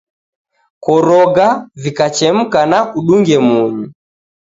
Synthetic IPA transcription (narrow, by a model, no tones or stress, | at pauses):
kɔɾɔɡavikat͡ʃɛm̩kanakuɗuŋɡɛmuɲi